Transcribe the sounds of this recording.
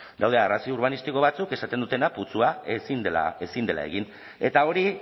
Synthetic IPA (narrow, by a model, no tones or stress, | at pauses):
d̪awðearasiouɾβanist̪iko̞β̞at͡suke̞sat̪e̞nd̪ut̪e̞naput͡suaesina̰e̞sind̪e̞lʔa̰e̞̰ɣin | e̞t̪ao̞ɾi